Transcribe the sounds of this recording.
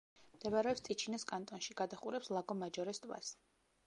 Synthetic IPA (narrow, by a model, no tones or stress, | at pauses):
md̪̥ɛvaɾɛɔpst̪sʼit͡ʃʰinaskʼant̪ʼɔnʃiɡad̪aχuɾɛpslˠaɡɔmad͡ʒɔɾɛst̪ʼwa̰s